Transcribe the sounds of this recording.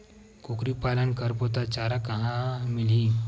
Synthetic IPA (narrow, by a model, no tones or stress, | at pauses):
kokɾipaːlənkəɾpoːt̪at͡ʃaːɾakɐɦãmɪli